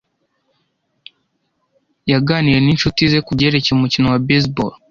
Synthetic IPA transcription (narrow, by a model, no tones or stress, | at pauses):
jaɡaːniɾe̞ninʃutize̞kuɟe̞ɾe̞ceumucinowabes̬bol